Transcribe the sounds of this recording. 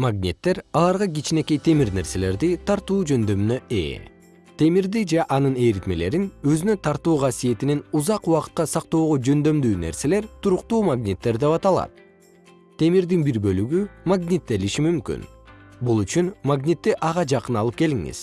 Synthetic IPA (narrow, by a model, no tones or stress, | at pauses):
maɡnʲḭt̪ːe̞ɾɑlˠɑɾʁɑɡit͡ʃine̞ke̞jt̪ʰe̞miɾne̞ɾse̞le̞ɾd̪it̪ʰɑɾt̪uːd͡ʒø̞nd̪ø̞mynø̞ʔḛː | t̪e̞miɾd̪id͡ʒeʔɑnɯne̞jɾit̪me̞le̞ɾinø̞zynø̞t̪ʰɑɾt̪uːʁɑsije̞t̪ininuzɑquwɑqɯ̥t̪̚qɑsɑq̚t̪o̞ːʁod͡ʒø̞nd̪ø̞md̪yːne̞̰ɾse̞le̞ɾt̪ʰuɾuqt̪uːmaɡnʲit̪ːe̞ɾd̪e̞pɑt̪ɑlˠɑ̰t̪ | t̪ʰːe̞miɾd̪inbiɾbø̞lyɡymaɡnʲit̪ːe̞liʃimymky̰nbulˠyt͡ʃynmaɡnʲit̪ːiʔɑʁɑd͡ʒɑqɯnɑlˠɯp̚ke̞liŋḭz̥